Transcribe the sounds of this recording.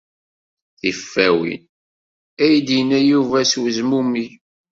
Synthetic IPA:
θifːæwḭn | æjd̪jənæjuvæswəzmumi

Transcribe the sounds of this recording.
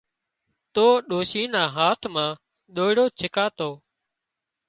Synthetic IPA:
t̪oːɗoːʃiːnaːɦaːt̪ʰmãː | ɗoːɪɽoːt͡ʃʰɪkaːt̪oː

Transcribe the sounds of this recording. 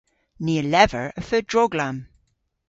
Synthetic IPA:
niːəlɛvəɹəfɜːdɹɔɡlam

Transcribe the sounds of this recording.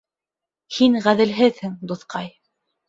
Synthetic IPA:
hinʁæðɘ̆lɦɘðhɘŋd̪oθqɑj

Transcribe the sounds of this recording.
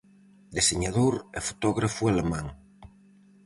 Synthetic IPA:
d̪eseɲaðoɾefo̥t̪ɔɣɾafualemãŋ

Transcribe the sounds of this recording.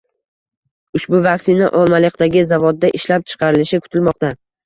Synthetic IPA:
ʊʃbʊvakʲsɪnaʔɒlˠmalɪqd̪aɡʲɪzavɒd̪ːaʔɪʃlap̚t͡ʃʰɨ̥qʰɑɾɪlɪʃɪkʰʊ̥t̪ʰɪlmɒq̚t̪a

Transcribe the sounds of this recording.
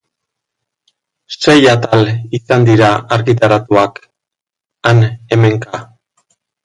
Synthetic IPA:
se̞jat̪alisand̪iɾaaɾɣit̪̬aɾat̪uak | ane̞me̞ŋka

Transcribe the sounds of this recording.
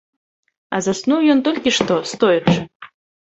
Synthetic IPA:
azasnuwjɔnt̪ɔlʲkʲiʂt̪ɔst̪ɔjɛʂɨ

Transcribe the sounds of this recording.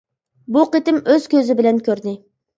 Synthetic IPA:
buqet̪ɪmøz̥kʲøzɪbɪlɛnkʲʰøɾd̪ɪ

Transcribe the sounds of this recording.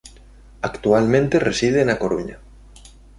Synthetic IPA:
akt̪ualmẽnt̪eresiðenakoɾuɲa̰

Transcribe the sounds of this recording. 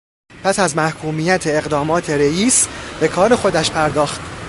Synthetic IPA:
pʰæsæzmæhkʰuːmiːjæt̪ʰeːɣd̪ɒːmɒːt̪ʰe̞ɾejiːsb̥e̞kʰɒːɾe̞xo̞d̪æʃpʰæɾd̪ɒːxt̪

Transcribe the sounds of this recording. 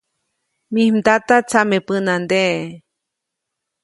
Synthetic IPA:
mihmd̪at̪at͡samepɨnand̪e

